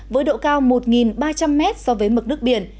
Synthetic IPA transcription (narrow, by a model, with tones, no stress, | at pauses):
vəː˨˦jɗo̰˧˨kaː˧wmo˨˩t̚ŋi˨˩nɓaː˧t͡ɕa˧mːɛ˦˥t̚sɔ˧vəː˨˦jmə˨˩t̚nɨ˦˥ək̚ɓi˨˩ən